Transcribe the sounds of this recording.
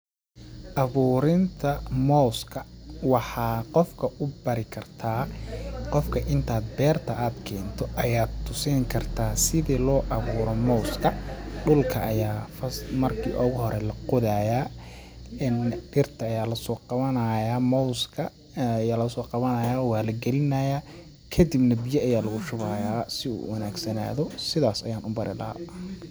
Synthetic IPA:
ʔɑβuːɾɪnt̪ʰɐmɔskʰɐ | wɑħɑːqɔfkʰɐʔʊbɐɾɪkʰɐrt̪ʰaːqɔfkʰɐʔɪnt̪ʰaːd̪̚bɛːrt̪ʰɐʔaːd̪kʰɛːnt̪ʰɔʔɐjaːd̪t̪ʰʊsɪːŋkʰɐrt̪ʰaːsɪðiːlɔːʔɑβuːɾɔmɔwskʰɐɖʊlkʰɐɐjaːfɐsmɐrkʰḭːʔɔːɣʊɦɔɾɛlɐqʊðaːjaː | nɖɪrt̪ʰɐːjaːlɐsɔːqɑβɐnɐjaːmɔwskʰɐ | jaːlɐsɔːqɑβɐnɐːjaːwaːlɐɡɛlɪnajaː | kʰɐd̪ibnɐbijɐɐjaːlɐɣʊʃʊβajaːsɪṵːwɐnaːɡsɐna̰ːðɔsɪðaːsɐ̰jaːnʊbɐɾʔɪ̰lɐ̰ha̰

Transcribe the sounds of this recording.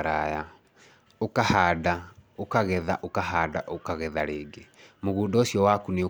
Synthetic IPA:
ɾaja | okahaːdaokaɣɛða̰ʔokaɦaːda̰ʔokaɣɛðaɾeːɡemoɣuːndɔsiɔwakune

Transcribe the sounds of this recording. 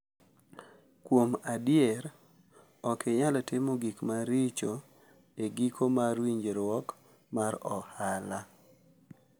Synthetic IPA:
kwomadɪɛɾ | ɔkʰeɲalɔtɪmoɡikmaɾit͡ʃo | eɡikʰomaɾwiɲd͡ʒeɾwɔk | maɾɔhala

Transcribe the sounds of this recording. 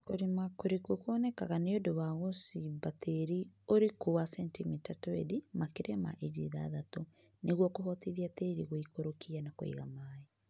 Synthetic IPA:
koɾimakoɾikokwɔnɛkaɣaneodoβaɣosibatʰeɾioɾekowasɛntimitatɔeðimakeɾɛma̰ʔed͡ʒḭða̰ðato | nʔeɣwɔkoɦɔtiðjateɾiɣoikoɾokianako̰ḭɣamaːe

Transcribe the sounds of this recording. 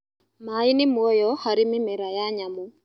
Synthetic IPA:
mainɪmwɔjɔxaɾimɪmɛɾajaɲamu

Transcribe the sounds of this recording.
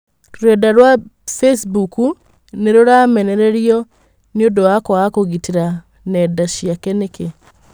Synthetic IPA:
ɾwɛdaɾwafesbuku | neɾoɾamɛnɛɾeɾiɔ | niodoakoakoɣitiɾa | nɛdaʃiakɛneke

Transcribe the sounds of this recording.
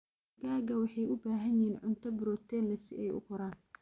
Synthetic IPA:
ɡaːɡɐwɑħɑjʊbaːɦɐnjiːnʕʊnt̪ʰɐbɪɾɔːt̪ʰɛːnlɐsɪ̰ʔɛjʊ̰qɔɾaːn

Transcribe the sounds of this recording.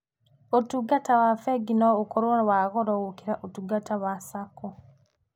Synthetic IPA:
otuɡatawafɛɡinɔokoɾonwaɣɔɾɔɣokiɾaʔotuɡatawasakɔ

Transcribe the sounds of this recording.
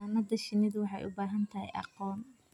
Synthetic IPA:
nɐd̪ɐʃɪnɪðwɑħɑ̰jʔʊ̰baːɦɐnt̪ʰɐɦɛ̰jʔɑ̰qɔːn

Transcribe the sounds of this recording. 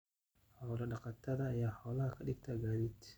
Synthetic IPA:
hɔwlɐɖɑqɑt̪ʰɐðɐːjaːħɔwlɐhɐkʰɐɗɪɡt̪ʰɐɡaːðid̪

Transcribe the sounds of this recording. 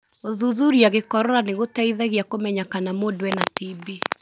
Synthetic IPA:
oðuðuɾiaɣekɔɾɔɾaneɣotɛiðɛɣjakomɛɲakanamodwɛnatibi

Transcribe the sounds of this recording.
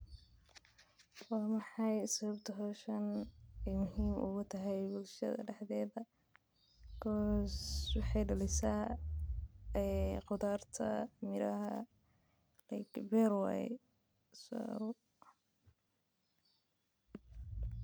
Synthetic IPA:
wɑːmɑħɑjsɐβɐbt̪ʰɐɦɔːʃɐnɛjmʊɦiːmʔʊ̰ɣʊt̪ʰɐɦɛjbʊlʃɐ̰ðɐ̰ɖɛħðɛːðɐ | kʰɔːswɑħɑjɖɐlɪsaː | ɛqʊd̪aːrt̪ʰɐ̰mɪɾɐɦɐ̰ | lɛkbɛɾwɑ̰j | sɔ̰

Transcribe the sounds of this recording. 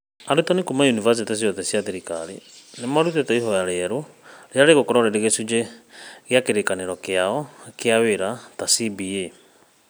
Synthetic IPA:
aɾutɔnikumaunivas̬itɛs̬iɔðɛsjaðiɾika̰ɾḭnemaɾutetɛiɦɔjaɾeːɾoɾeaɾeɣokɔɾɔɾeɾeɣesud͡ʒeɣeakeɾekaneɾɔkeaɔkeaweɾatasibie

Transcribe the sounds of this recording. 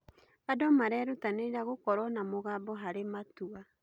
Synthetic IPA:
adɔmaɾɛɾutaneɾaɣokɔɾɔnamoɣaːbɔɦaɾematua

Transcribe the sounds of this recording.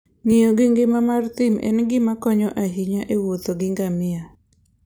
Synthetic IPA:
ŋijoɡɪŋɡɪmamart̪ɪmɛ̰nɡɪmakɔɲɔʔaɦiɲaʔewot̪oɡɪŋɡamɪa

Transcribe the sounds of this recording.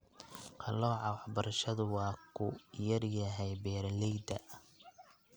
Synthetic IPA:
qʰɑlɔːʕɑwɑħbɐɾɐʃɐðʊwɑːkʰʊjɐrjɐɦɛjbɛːɾlɛjd̪ɐ̰

